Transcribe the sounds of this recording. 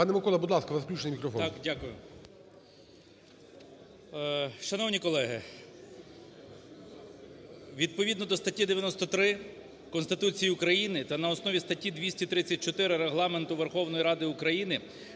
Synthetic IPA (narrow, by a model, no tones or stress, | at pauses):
pɑnɛmɪkɔlˠɐbud̪lˠɑskɐʋɐzklʲut͡ʃenɪimʲikɾɔfɔt̪ɑkdʲakʊjʊ̰ | ʃɐnɔwnʲikɔlˠɛɦɪ | ʋʲid̪̚pɔʋʲid̪nɔd̪ɔst̪ɐtʲid̪eʋʲjɐnɔst̪ɔt̪ɾɪ | kɔnst̪ɪt̪ut͡sʲijiʊkɾɐjinɪt̪ɐnɐɔsnɔʋʲist̪ɐtʲid̪ʋʲisʲtʲit̪ɾɪt͡sʲːɐt̚ʲt͡ʃɔt̪ɪɾɪɾeɦlˠɑment̪ʊʋerxɔwnɔjiɾɑd̪ɪʊkɾɐjinɪ